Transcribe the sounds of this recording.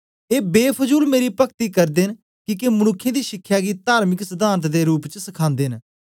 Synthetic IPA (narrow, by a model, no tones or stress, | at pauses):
eːbeːpʰəzuːlmeːɾiːpəkt̪iːkəɾd̪en | kɪkemənʊkʰːjẽːd̪iːʃɪkʰːjaːɡiːt̪aːɾmɪksəd̪aːɾət̪d̪eːɾuːpt͡ʃsəkʰãːnd̪eːn